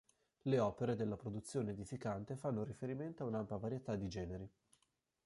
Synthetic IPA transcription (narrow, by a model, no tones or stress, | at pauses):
leɔːpeɾed̪elːapɾod̪ut̪sːjoːneːd̪ifikant̪efanːoɾifeɾiment̪oaunampjavaɾjet̪ad̪ːid͡ʒɛːneɾi